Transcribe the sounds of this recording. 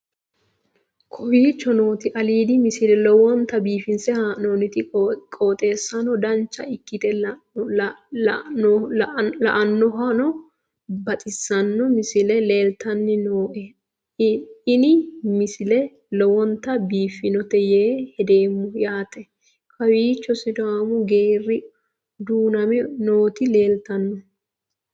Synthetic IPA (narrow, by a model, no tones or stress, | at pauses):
kʰɔwiːt͡ʃːɔno̞ːt̪ɪʔɐliːd̪ɪmɪsɪlɛlɔwɔnt̪ɐbiːfɪnsɛhanoːnɪt̪ɪkʼoːt̪ʼe̞ːsːɐnɔd̪ɐnt͡ʃːɐɪkːɪt̪ɛ | lɐ̰ʔɐnːɔɦɐnɔ | bɐt̪ʼɪsːɐnːɔmɪsɪlɛle̞ːlt̪ɐnːɪnoːʔɛ | ɪnɪmɪsɪlɛ | lɔwɔnt̪ɐbiːfɪnɔt̪ɛjeːhɛd̪e̞ːmːɔjaːt̪ɛ | kɐwiːt͡ʃːɔsɪd̪ʊaːmʊɡeːrːɪ | d̪uːnɐmɛno̞ːt̪ɪle̞ːlt̪ɐnːɔ